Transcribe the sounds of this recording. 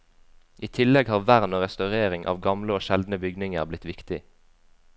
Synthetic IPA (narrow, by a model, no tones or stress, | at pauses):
ʔiːt̪ʰɪlɛɡhɑːʁʋæʁnoːʁɛst̪ɑʉʁeːʁɪŋʔɑ̰ːʋɡɑmləoːʃɛld̪nəbʏɡnɪŋəʁblɪt̪ʋɪkt̪ɪ